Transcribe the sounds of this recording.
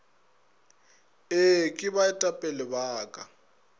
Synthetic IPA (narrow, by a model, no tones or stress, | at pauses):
ɪkʼɪβaɛtʼapʼɛlɪbaːkʼa